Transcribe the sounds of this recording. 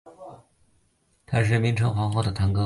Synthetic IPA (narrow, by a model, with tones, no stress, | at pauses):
t̪ʰa˥ʂ̬ɻ̩˥˩mi˧˥ŋʈ͡ʂʰɤ˧˥ŋxwa˧˥xwɑ˥˩d̪ə˨˩t̪ʰa˧˥ŋkɤ˥